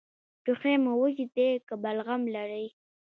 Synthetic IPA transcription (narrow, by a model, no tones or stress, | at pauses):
ʈuxemawəʒit̪ekəbalɣamlaɾəj